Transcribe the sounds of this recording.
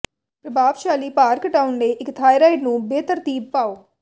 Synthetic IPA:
pɾəbaːʋʃaːliːpaːɾkʈaːʊnleːʔɪkt̪ʰaːiɾaːɪʈnũːbeːt̪əɾt̪iːb̚paːoː

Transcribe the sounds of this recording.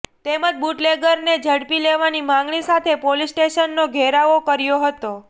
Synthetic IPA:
t̪eməd͡ʒbuʈleɡəɾned͡ʒəɽpileʋanimãŋɡɭisat̪ʰepolisʈeʃənːoɡʱeɾaʋokəɾjoɦət̪o

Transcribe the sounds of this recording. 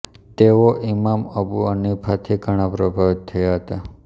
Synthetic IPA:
t̪eʋoʔimaməbuənipʰat̪ʰiɡʱəɽ̃apɾəbʱaʋit̪ʰːəjaɦət̪a

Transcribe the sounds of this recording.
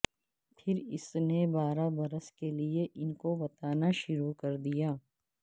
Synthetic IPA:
pʰɪɾɪ̰snebaːɾabɐɾəskelieʔɪnkobɐt̪aːnaʃʊɾukɐɾd̪ijaː

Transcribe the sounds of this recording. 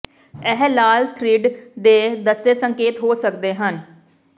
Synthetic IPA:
ɛɦlaːlt̪ʰɾɪɖd̪eːd̪əst̪eːsəŋkeːt̪ɦoːsəkd̪eːɦən

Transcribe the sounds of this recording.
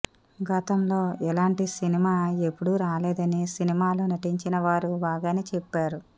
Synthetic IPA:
ɡɐt̪ɐmlo̞ːʔɛlaːɳʈisinimaːe̞pːuɽuɾaːleːd̪ɐnisinimaːlunɐʈiɲt͡ʃinɐʋaːɾubaːɡaːnit͡ʃepːaːɾu

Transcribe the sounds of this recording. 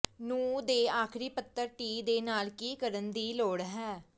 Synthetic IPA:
nũːd̪eːaːkʰɾiːpət̪ːəɾʈiːd̪eːnaːlkiːkəɾənd̪iːloːɽɦɛː

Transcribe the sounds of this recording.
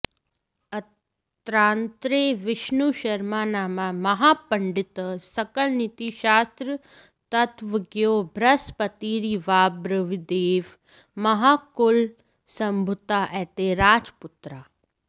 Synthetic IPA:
ɐ | t̪ɾaːnt̪ɾeːʋɪʃnuʃɐɾmaːnaːmamɐɦaːpɐɳɖɪt̪sɐkəlnit̪iʃaːst̪ɾə | t̪ɐt̪ʋəɡjoːbʱɾɐspɐt̪iːɾiʋaːbɾəʋid̪eːʋ | mɐɦaːkʊl | sɐmbʱʊt̪aːʔɛt̪eɾaːd͡ʒpʊt̪ɾaː

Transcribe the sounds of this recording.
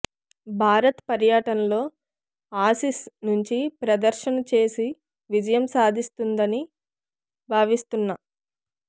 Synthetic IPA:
bʱaːɾɐt̪pɐɾjaːʈɐnɐlo̞ː | aːsisnuɲt͡ʃipɾɐd̪ɐɾʃɐnɐt͡ʃe̞ːsi | ʋid͡ʒɐjɐmsaːd̪ʱist̪und̪ɐni | bʱaːʋist̪unːɐ

